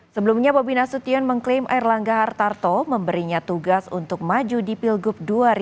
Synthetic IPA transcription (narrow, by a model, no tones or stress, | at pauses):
səbəlumɲababinasut̪iɔnməŋklɪmʔa̰irlaŋɡaɦart̪art̪oməmbəɾiɲat̪uɡasṵnt̪ʊk̚mad͡ʒudipilɡʊp̚duaɾi